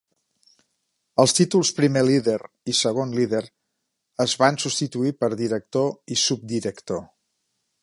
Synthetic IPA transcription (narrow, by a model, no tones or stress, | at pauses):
əlˠst̪it̪ulˠspɾimeliðeɾ | isəɣ̞onliðeɾ | əzβansust̪it̪uipəɾðiɾək̚t̪oisub̚d̪iɾəkt̪o